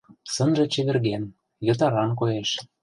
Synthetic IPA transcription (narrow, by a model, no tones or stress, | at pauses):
sɤ̆nʒĕt͡ɕĕβĕrɣen | jɤ̆t̪̬ɑɾɑnk̬ojeʃ